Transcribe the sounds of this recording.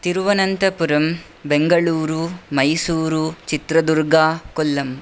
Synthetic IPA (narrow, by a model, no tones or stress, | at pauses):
t̪iɾʋɐnɐnt̪ɐpuɾɐm | beŋɡɐɭuːɾumɐjsuːɾut͡ʃit̪ɾɐd̪uɾɡaːkɔlːɐm